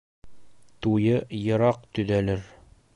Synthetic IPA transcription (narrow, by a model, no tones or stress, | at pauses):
t̪ujɤjɤ̆ɾɑq̚t̪ɵ̆ðælɘɾ